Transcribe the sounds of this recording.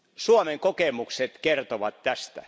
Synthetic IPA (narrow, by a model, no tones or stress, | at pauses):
suomeŋkokemukset̪kert̪oʋɑt̪tæst̪æ̰